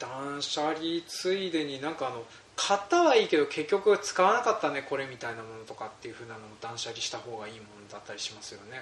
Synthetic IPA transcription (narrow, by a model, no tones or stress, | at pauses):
d̪̥ãɰ̃ɕaɾʲit͡sɨid̪e̞ɲ̟inãŋkaːno̞ | kʰat̪ːaβaiːke̞d̪o̞ke̞kʲːo̞kɯ̟t͡sɨ̥kaβanakat̪ːane̞ko̞ɾe̞mʲit̪ainamo̞no̞t̪o̞kat̪ːe̞jɯ̟ɸɯ̟ːnano̞mod̪ãɰ̃ɕaɾʲiɕi̥t̪aho̞ːɡaiːmo̞no̞d̪at̪ːaɾʲi̥ɕimasɨjo̞ne̞